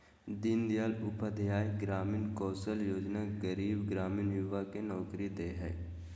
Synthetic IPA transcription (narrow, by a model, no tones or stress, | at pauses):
d̪ɪnd̪jaːlʊpəd̪ʱjaːjɡɾaːmiːnkɔːsəljoːd͡ʒnaɡəɾiːbɡɾaːmiːnjʊʋakenɔːkɾid̪eːɦɛː